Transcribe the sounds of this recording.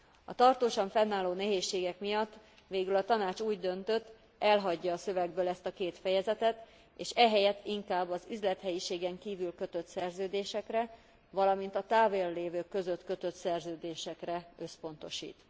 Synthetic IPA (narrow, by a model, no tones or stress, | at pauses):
ɒ̰t̪ɒrt̪oːʃɒɱfɛnːaːloːnɛɦeːʃːeːɡɛkmijɒt̪ː | ʋeːɡylɒt̪ɒnaːt͡ʃuːɟd̪ø̞nt̪ø̞t̪ː | ɛlɦɒɟːɒːsøvɛɡbøːlɛst̪ɒkeːt̪fɛjɛzɛt̪ɛt̪ | eːʃɛɦɛjɛt̪ːiŋkaːbːɒzyzlɛt̪hɛjiʃeːɡɛŋkiːvylkø̞t̪øt̪sɛrzøːd̪eːʃɛkrɛ | vɒlɒmint̪ɒt̪aːveːlːeːvøːkːø̞zø̞t̪kø̞t̪ø̞t̪sɛrzøːd̪eːʃɛkrɛø̞spo̞nt̪o̞ʃḭːt̪